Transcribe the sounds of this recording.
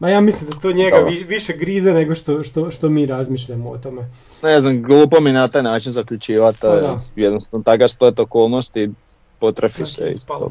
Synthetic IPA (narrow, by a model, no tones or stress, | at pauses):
majaːmislimd̪at̪oɲeɡaiʋiʃeɡɾiːzaneɡoʃt̪oʃt̪oʃt̪omiːɾazmiʃʎamoo̰t̪ome | neznamɡlˠuːpominat̪aːjnaːt͡ʃinzakʎut͡ʃiːʋat̪ojɛd̪nosnot̪akasp̪let̪okoːlˠnost̪i | pot̪ɾefisḛḭt̪o̰